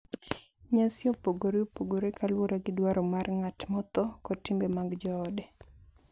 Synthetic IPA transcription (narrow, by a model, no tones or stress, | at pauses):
ɲasjɔpoɡoɾeopoɡoɾekʰalwoɾaɡɪdwaɾɔmarŋatmɔt̪ɔkɔtimbemaɡd͡ʒɔːde